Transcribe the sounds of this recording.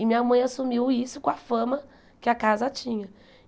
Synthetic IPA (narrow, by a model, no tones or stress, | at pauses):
ɪmĩɲɐmɐ̃j̃asumiwisʊkõafɐ̃mɐ | kɪakazɐt͡ʃĩɲɐ